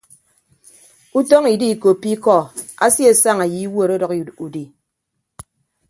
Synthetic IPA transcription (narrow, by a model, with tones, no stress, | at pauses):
u˦tɔ˦ŋi˨di˦˨ko˨pi˦kɔ˦˨a̰˦sje˦˨sa˦˨ŋa˨ji˨˦wo˦˨ɾo˦dɔ˨ku˨di˨